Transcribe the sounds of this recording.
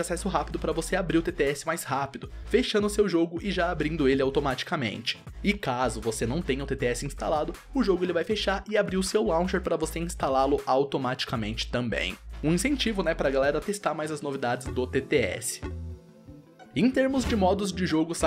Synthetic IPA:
asɛsʊɦapid̪ʊpɾɐvoseabɾiɾʊt̪et̪eɛsɪ̥majshapid̪ʊfeʃɐ̃nd̪ʊsewʒoɡʊʔɪʒaabɾĩnd̪ʊelɪawt̪omat͡ʃi̥kɐmḛ̃nt͡ʃɪ̥ɪkazʊvosenɐ̃w̃t̪ẽj̃ɐʊt̪et̪eɛsɪĩst̪a̰lad̪ʊ | ʊʒoɡʊelɪvajfeʃaɾɪabɾiɾʊsewlɐ̃w̃ʃeɾpɾɐvoseĩst̪alalʊʔawt̪omat͡ʃi̥kamẽnt͡ʃɪ̥t̪ɐ̃mbḛ̃j̃ũĩsẽnt͡ʃivʊnɛpɾɐːɡalɛɾɐt̪est̪aɾmajzɐznovid̪ad͡ʒɪzd̪ʊt̪et̪eɛ̰sɪ̥ | ẽj̃t̪eɾmʊzd͡ʒɪmɔd̪ʊzd͡ʒɪʒoɡʊsa

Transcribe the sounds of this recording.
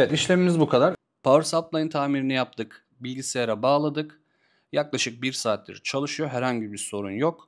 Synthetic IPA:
evɛt̪iʃlʲe̞mimizbukʰad̪aɾ | pʰavɾsap̚lˠajɯnt̪ʰaːmiɾinijap̚t̪ʰɯk | biisejeɾɛbaːlˠad̪ɯk | jaklˠaʃɯk̚biɾsaːt̪ʲḭɾt͡ʃʰalˠɯʃɯjo̞ɦæɾhaɲɟibiɾso̞ɾunjok

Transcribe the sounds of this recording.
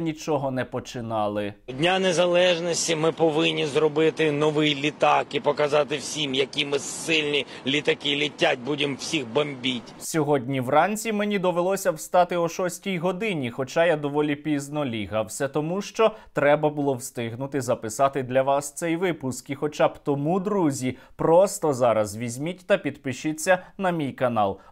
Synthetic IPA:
nʲit͡ʃɔɦɔnɛpɔt͡ʃɪnɑlˠɪdʲnʲanezɐlˠɛʒnɔsʲtʲimɪpɔʋɪnʲːizrɔbɪt̪ɪnɔʋɪjlʲit̪ɑkipɔkɐzɑt̪ɪwsʲimjɐkʲimɪsɪlʲnʲi | lʲit̪ɐkɪlʲitʲːat̚ʲbudʲɪmwsʲixbɐmʲbʲitʲsʲɔɦɔdʲnʲiwrɑnʲt͡sʲimenʲid̪ɔʋelˠɔsʲɐwst̪ɑt̪ɪɔʃɔsʲtʲijɦɔd̪ɪnʲixɔt͡ʃɑjad̪ɔʋɔlʲipʲiznɔlʲiɦɐwsʲɐt̪ɔmuʃt͡ʃɔt̪ɾɛbɐbʊlˠɔwst̪ɪɦnʊt̪ɪzɐpɪsɑt̪ɪd̪lʲɐʋɑst̪sɛjʋɪpʊskixɔt͡ʃɑbt̪ɔmud̪ɾuzʲipɾɔst̪ɔzɑɾɐzʋʲizʲmʲitʲt̪ɐpʲid̪pɪʃɪt͡sʲːɐnɐmʲijkɐnɑ̰lˠ

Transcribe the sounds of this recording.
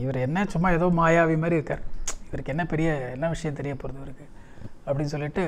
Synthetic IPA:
ɪʋɐɾɛnːɐt͡ʃʊmːaːɛðɐʋɯmaːjaːʋimaːd̪ɾiɪɾɯkːa̰ːɾɪʋɐɾɯkːɯɛnːɐpɛɾɪjɐɛlːaːʋɪʂɐjɐ̃t̪ɛɾɪjɐpːoːɾɐðɐʋɐɾɯkːɯɐpːɐɽɪnːɯsɔlːɪʈːɯ

